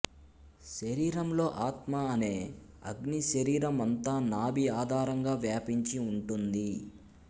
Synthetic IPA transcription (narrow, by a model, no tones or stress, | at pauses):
ʃɐɾiːɾɐmlo̞ːʔaːt̪maɐne̞ː | ɐ̰ɡniʃɐɾiːɾɐmɐnt̪aːnaːbiaːd̪ʱaːɾɐŋɡaːʋjaːpiɲt͡ʃiuɳʈund̪i